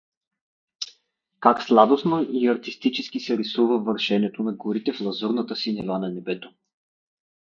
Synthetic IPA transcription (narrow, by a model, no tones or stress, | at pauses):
kakslˠad̪osnoiɐɾt̪ist̪it͡ʃɛsk̟isɛɾisuvəvɐɾʃɛnɛt̪onɐɡoɾit̪ɛflˠɐzuɾnət̪əsinɛvanɐnɛbɛt̪o̥